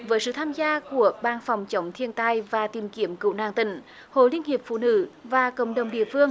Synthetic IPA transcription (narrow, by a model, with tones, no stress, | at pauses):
vəː˨˦jsɨ̰˧˨t̪ʰaː˧mzaː˧ku˧˩əɓaː˧˩nfɔ˨˩wŋ͡mt͡ɕə˨˦wŋ͡mt̪ʰi˧ənt̪aː˧jvaː˨˩t̪i˨˩mki˨˦əmkɨ̰˧˨wna̰ː˧˩ŋt̪ï˧˩˦ŋ̟ | ho̰˧˨jli˧əŋ̟hi˨˩əp̚fṵ˧˨nɨ̰˧˥vaː˨˩kə̰˧˩wŋ͡mɗə˨˩wŋ͡mɗḭ˧˨əfɨ˧əŋ